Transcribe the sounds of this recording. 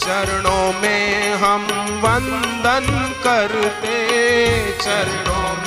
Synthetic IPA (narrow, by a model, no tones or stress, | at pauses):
t͡ʃɐɾɳoːmeːɦɐm | ʋɐn | d̪ʱɐnkɐɾt̪e | t͡ʃɐɾɳoː